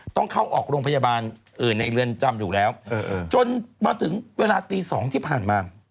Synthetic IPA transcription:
t̪ɔ˥˩ŋkʰa˥˩wʔɔː˨˩k̚ɾoː˧ŋpʰa˧jaː˧baː˧n | ʔɯː˨˩nːa˧jɾɯ˧ənt͡ɕa˧mjuː˨˩lɛː˦˥wːt͡ɕo˧nmaː˧t̪ʰɯ˩˦ŋweː˧laː˧t̪iː˧sɔː˩˦ŋt̪ʰiː˥˩pʰaː˨˩nmaː˧

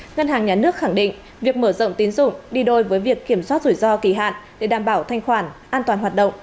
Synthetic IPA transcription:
ŋə˧nɦaː˨˩ŋɲaː˨˩nɨ˦˥ək̚xa˧˩ŋɗḭ˧˨ŋ̟ | vi˨˩ək̚məː˧˩zə̰˧˨wŋ͡mt̪i˨˦nzʊ̰˧˨ŋ͡mɗi˧ɗo˧˩jvəː˨˦jvi˨˩əkːi˧˩əmswa˦˥t̚zu˧˩jzɔ˧ki˧˩ɦa̰ː˧˨nɗe˧˩ɗaː˧˩mɓaː˧˩wt̪ʰa˧jŋ̟xwaː˧˩nʔaː˧nt̪waː˨˩nɦwaː˨˩t̚ɗə̰˧˨ŋ͡m

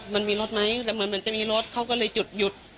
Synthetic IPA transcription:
ma˧˥˨nmiː˧lo˦˥t̪̚ma˦˥jlɛː˧˩mɯ˨˧˦nm˧˩˦nt͡ɕa˨˩miː˧lo˦˥˩t̪̚kʰa˧˥˩wkɔ˧˩lɤː˧jt͡ɕu˨˩t̪̚ju˨˩t̪̚

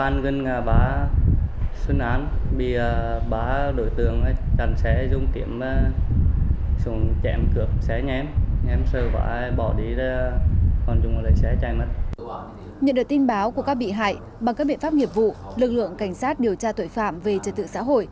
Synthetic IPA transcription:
aː˧nɣə˧nŋaː˨˩ɓaː˨˦ | swə˧nʔaː˨˦nɓḭ˧˨ə˨˩ɓaː˨˦ɗo̰˧˨jt̪ɨ˧˩˨əŋa˨˦t͡ɕa˨˩nsɛ˨˦zʊ˧ŋ͡mki˧˩əmə˧ | su˧˩ŋt͡ɕɛ̰˧˩mkɨ˧˩ək̚sɛ˨˦ɲɛ˧˦mɲɛ˨˦msəː˧˩va̰ː˧˦˧ɓɔ˧˩ɗi˨˦za˧kɔ˨˩nt͡ɕʊ˨˧˨ŋ͡mlə̰˧˨jsɛ˨˦t͡ɕaː˧˩jmə˨˩t̚ | ɲə̰˧˨nɗɨ˨˩t̪i˧nɓaː˨˦wku˧˩əkaː˦˥k̚ɓḭ˧˨ɦa̰ː˧˨j | ɓa˨˩ŋkaː˦˥ɓḭ˧˨nfaː˦˥p̚ŋi˨˩əp̚vṵ˧˨lɨ˨˩k̚lɨ̰˧˨əŋka˧˩jŋ̟saː˦˥t̚ɗi˨˩əwt͡ɕaː˧t̪o̰˧˨jfaː˧˨mve˨˩t͡ɕəː˨˩t̪̚ɨ̰˧˨sa̰ː˧˥˦ɦo̰˧˨jʔ

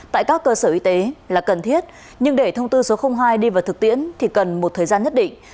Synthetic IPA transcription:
t̪a̰ː˧˨jkaː˦˥kːəː˧səː˧˩ʔi˧t̪e˨˦laː˨˩kə˨˩nt̪ʰi˦˥ət̚ | ɲɨ˧ŋɗe˧˩t̪ʰə˧wŋ͡mt̪ɨ˧so˨˦xə˧wŋ͡mɦaː˧jɗi˧vaː˨˩wt̪ɨ˨˩k̚t̪ḭ˧˥ənt̪ʰi˨˩kə˨˩nmo˨˩t̚t̪ʰəː˨˩zaː˧nɲə˦˥t̚ɗḭ˧˨ŋ̟

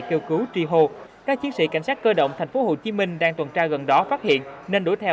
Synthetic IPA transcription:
ke˧wkɨ˨˦wt͡ɕi˧ɦo˧kaː˦˥k̚t͡ɕi˨˦ənsḭ˧˥ka̰˧˩ŋ̟saː˦˥t̚kəː˧ɗə̰˧˨wŋ͡mt̪ʰɛ˨˩jŋ̟fo˨˦ɦo̰˧˨˩t͡ɕi˨˦mï˧ŋ̟ɗaː˧ŋt̪wə˨˩nt͡ɕaː˧ɣə˨˩nɗɔ˨˦faː˦˥t̚hḭ˧˨ənne˧nɗo˧˩jt̪ʰɛ˧

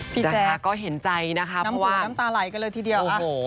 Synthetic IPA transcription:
pʰi˧t͡ɕa˧˩ɛː˧a˧˩kɔː˥˩ɦe˩˦nt͡ɕa˧jna˦˥kʰa˦˥pʰna˦˥mɔ˦waː˨˦˥na˦˥mt̪aː˧la˨˩˦jka˧nlɤː˧jt̪ʰiː˧di˧əw

